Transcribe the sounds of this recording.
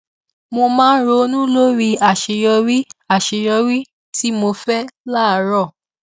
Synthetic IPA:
mo˧mãː˦ɾo˧˦nũ˦lo˦ɾi˧a˨ʃe˧˨jɔ˧ɾi˦a˦˨ʃe˧ɾɔ˧ɾi˦ | ti˦mo˧fɛ˦la˦˨˦ɾɔ˦˨

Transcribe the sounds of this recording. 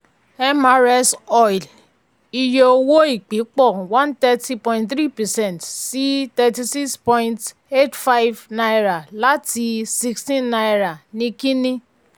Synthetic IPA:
ɛ˦ma˨ɾɛ˧sɔ˦jl | i˧je˧o˧wo˦i˦˨k͡pi˨˦k͡pɔ˦˨wã˦ntɛ˦ti˧pɔ̃˧ĩntθɾi˦pɛ˨sɛ̃˦˨ntsi˦tɛ˧ti˧si˦kspɔ̃˧ĩ˧nt | e˦tfa˦jvna˧jɾa˨la˦ti˧si˧kstĩ˦nːa˧jɾa˨nĩ˧kĩ˦nĩ˦

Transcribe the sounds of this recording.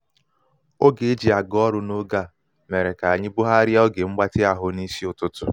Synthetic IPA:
o˦ɡe˨e˦d͡ʒi˨a˨ɡɔ˦ɾʊ˦no˦ɡa˦˨ | me˨ɾe˨ka˨a˨ɲɪ˦bʊ˦ɦa˦ɾjɔ˦ɡe˨ŋ͡m̩˦ɡ͡ba˦tɪ˦a˨ɦʊ˦ni˦si˦ʊ˨tʊ˦tʊ̰˨

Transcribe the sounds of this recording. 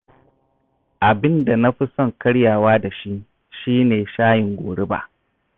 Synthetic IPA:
ʔa˨bɪ˦nda˨na˦ɸi˦sɔ˦˨ŋkɐ˦ɽjaː˨waː˦da˨ʃi˦ | ʃiː˦neː˨ʃaː˦jɪ˨ŋɡʷoː˨ɽɪ˦ba̰ː˨ʔ

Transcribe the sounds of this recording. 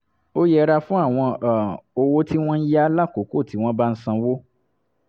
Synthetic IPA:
o˦jɛ˧ɾa˧fũ˦a˦˨w̃ɔ̃˧a˨o˧wo˦tʰi˦w̃ɔ̃˦n̩˦ja˦la˦˨ko˨˦ko˦˨ti˨˦w̃ɔ̃˦ba˦n̩˦sã˧wo˦

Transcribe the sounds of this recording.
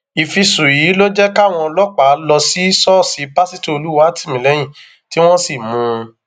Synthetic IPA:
i˨fi˧su˨ji˨˦lo˦d͡ʒɛ˦ka˦˨w̃ɔ̃˧lɔ˦k͡pa˨˦lɔ˧si˨˦sɔ˦˨si˨˦pa˦si˦to˦o˧lu˦wa˦tʰi̥˦˨mĩ˨lɛ˨˦j̃ĩ˦˨ | ti˨˦w̃ɔ̃˦si˦˨mũ˨˧˦

